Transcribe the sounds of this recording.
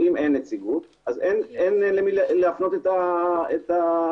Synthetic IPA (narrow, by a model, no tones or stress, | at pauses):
imʔenːet͡siɡut | azenenlemilleafno̞t̪et̪aet̪a